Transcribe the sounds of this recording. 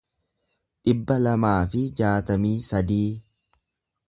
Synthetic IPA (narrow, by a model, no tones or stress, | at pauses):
ᶑɪbːɐlɐmaːfɪd͡ʒaːt̪ɐmiːsɐd̪iː